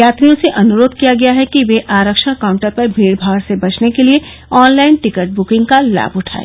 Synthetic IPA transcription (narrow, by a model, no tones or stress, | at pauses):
jaːt̪ɾijõseʔɐnʊɾoːd̪ʱkijaɡɐjaɦɛkiʋeʔaːɾəkʃə̃ɐkãːʊ̃ɳʈəɾpɐɾbʱiːɽbʱaːɽsebɐt͡ʃnekelie | ɔːnlaːɪnʈɪkəʈ̚bʊkɪ̃ŋɡ̚kala̰ːbʊʈʰa̰ːḛː